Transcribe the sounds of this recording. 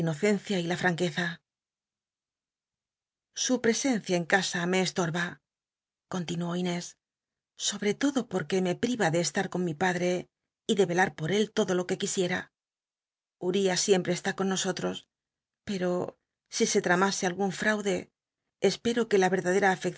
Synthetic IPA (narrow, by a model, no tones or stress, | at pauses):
ino̞θe̞nθjailafɾaŋke̞θa | supɾe̞se̞n̟θjaeŋkasame̞ːst̪o̞ɾβa | ko̞nt̪inuo̞ine̞sː | o̞βɾe̞t̪o̞ðo̞po̞ɾke̞me̞pɾiβaðe̞ːst̪aɾko̞nmipaðɾe̞ | iðe̞βe̞laɾpo̞ɾe̞lt̪o̞ðo̞lo̞ke̞kisje̞ɾa | uɾiasje̞mpɾe̞ːst̪ako̞nːo̞so̞t̪ɾo̞s | pe̞ɾo̞ | sise̞t̪ɾamase̞alɣuɱfɾawðe̞ː | spe̞ɾo̞ke̞laβe̞ɾðaðe̞ɾaːfe̞k